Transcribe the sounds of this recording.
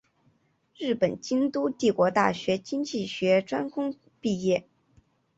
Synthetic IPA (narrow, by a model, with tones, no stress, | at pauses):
ɻɻ̩˥˩pə˨˩nt͡ɕi˥ŋt̪u˥t̪i˥˩kwɔ˧˥t̪a̰˥˩ɕɥɛ˧˥t͡ɕi˥ŋt͡ɕi˥˩ɕɥɛ˧˥ʈ͡ʂwa˥nkʰʊ˥ŋ | pi˥˧jɛ˥˩